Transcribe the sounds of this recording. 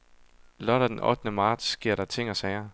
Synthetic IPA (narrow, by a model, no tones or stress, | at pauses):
lɒ̽ɾ̥ɐd̥enɒ̽d̥ənəmɑ̈ːd̥sɡ̥e̝ɐ̰ɾ̥ɑ̈t͡sʰe̝ŋ̰ɒsɛɪɐ